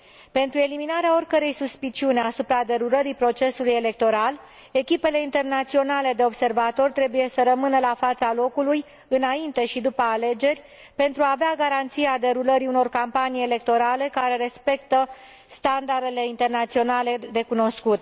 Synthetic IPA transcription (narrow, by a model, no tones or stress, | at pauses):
pe̞nt̪ɾue̞liminaɾeao̞rʲkəɾe̞jsuspit͡ʃiuneasupɾad̪e̞ɾuləɾipɾo̞t͡ʃe̞suluje̞le̞k̚t̪o̞ɾal | e̞kʲipe̞le̞int̪e̞rnat̪sio̞nale̞d̪e̞o̞bse̞rvat̪o̞rt̪ɾe̞buje̞səɾəmɨnəlafat̪salo̞kuluj | ɨnaint̪e̞ʃid̪upəale̞d͡ʒe̞rʲ | pe̞nt̪ɾuaːveaɡaɾant̪sijead̪e̞ɾuləɾiuno̞rkampanijele̞k̚t̪o̞ɾale̞kaɾe̞ɾe̞spe̞kt̪ə | st̪and̪aɾe̞le̞int̪e̞rnat̪sio̞nale̞de̞kuno̞skut̪